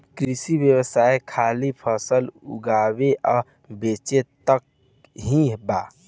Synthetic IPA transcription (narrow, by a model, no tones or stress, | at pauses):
kɾisibjəwəsajekʰalipʰəsəlṵɡabeʔɔ | bet͡ʃet̪ək | ɦĩba